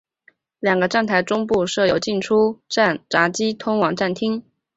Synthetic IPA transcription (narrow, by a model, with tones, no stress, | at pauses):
ljɑ˨˩ŋɡə˦ʈ͡ʂa˥˧nt̪ʰa˧˥ɪʈ͡ʂʊ˥ŋpu˥˧ʂɤ˥˩jo˨˥ʊt͡ɕi˥˩nʈ͡ʂʰu˥ʈ͡ʂa˥˩nʈ͡ʂa˧˥t͡ɕi˥t̪ʰʊ˥ŋwɑ˨˩ŋʈ͡ʂa˥˩nt̪ʰi˥ŋ